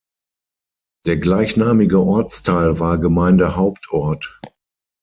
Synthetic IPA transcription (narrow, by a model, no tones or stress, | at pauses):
d̥eːɐɡlaɪçnaːmɪɡəʔɔɐt͡stʰaɪlvaːɐɡəmaɪndəhaʊptʰʔɔɐt